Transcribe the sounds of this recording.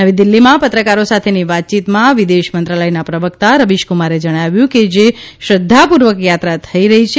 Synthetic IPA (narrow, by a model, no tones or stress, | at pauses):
əʋid̪ɪlːimãpət̪ɾəkaɾosat̪ʰeniʋat̪̚t͡ʃit̪mãʋid̪eʃmənt̪ɾələjnapɾəʋəkt̪aɾəʋiʃkumaɾed͡ʒəɽ̃aʋjũked͡ʒeʃəd̪ʱːapuɾʋəkjat̪ɾat̪ʰəiɾəɦit͡ʃʰ